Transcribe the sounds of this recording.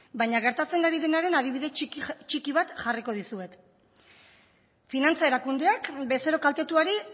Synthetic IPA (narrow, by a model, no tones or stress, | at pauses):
bajɲaɣ̞e̞ɾt̪at͡se̞naɾiðe̞naɾe̞naðiβiðe̞t͡ʃikiβ̞at̪ʝariko̞ð̞isue̞t̪ | finant͡sae̞ɾakund̪e̞akbe̞seɾo̞kalt̪e̞t̪uaɾi